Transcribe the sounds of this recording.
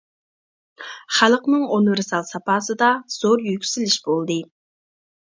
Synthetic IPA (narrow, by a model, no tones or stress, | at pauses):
χælˠqnɨŋonɪɾsɑlˠsɑpɑːsɨd̪ɑz̥oɾjykʲʰy̥zɪlɪʃbolˠd̪ɨ